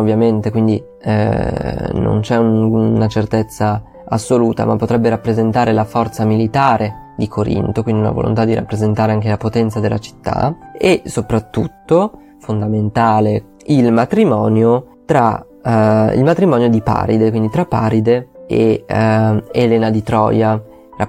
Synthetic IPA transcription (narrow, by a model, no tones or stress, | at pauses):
ovːjament̪ekwind̪i | no̰nt͡ʃɛunat͡ʃert̪et̪sːa | asːoluːt̪a̰mapːot̪ɾɛbːeɾapːɾezent̪aːɾelafɔrt̪samilit̪aːɾʔed̪ikʰoɾḭnt̪okwind̪iuna̰vo̰lo̰nt̪ad̪ːiɾʔa̰pːɾezent̪aːɾeaŋk̟elapot̪ɛnt̪sad̪elʔa̰t͡ʃi̥t̪ːa̰esopɾat̪ːut̪ːo | fond̪ament̪aːle | ilmat̪ɾimɔːnjo | t̪ɾa̰ | ḭlmat̪ɾimɔːnjod̪ipa̰ːɾid̪ekwind̪it̪ɾapːaːɾid̪ee | elɛːnad̪it̪ɾɔ̰ːja | ra